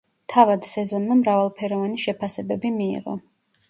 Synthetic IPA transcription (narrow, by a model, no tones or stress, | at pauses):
t̪ʰavad̪sɛzɔnmamɾavalˠpʰɛɾɔvaniʃɛpʰasɛbɛbimiḭʁɔ̰